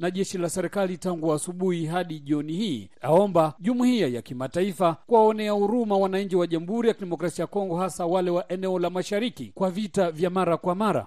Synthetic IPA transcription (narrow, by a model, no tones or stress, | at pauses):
naʄɛʃilasɛɾɛkalitaŋɡuasuɓuhiɦaɗiʄiɔnihiːaɔmbaʄumuhiajakimataifakuaɔnɛauɾumawanaɲ̩d͡ʒiwaʄam̩huɾijakiɗɛmɔkɾasiajakɔŋɡɔhasawalɛwaʔɛnɛɔlamaʃaɾikikwavitavjamaɾakwamaɾa̰